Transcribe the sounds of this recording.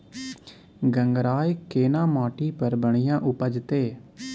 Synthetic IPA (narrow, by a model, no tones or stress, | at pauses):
ɡəŋɡɾaːjkeːnãːmãːʈiːpəɾbəɳɪjãːʔʊpəd͡ʒt̪eː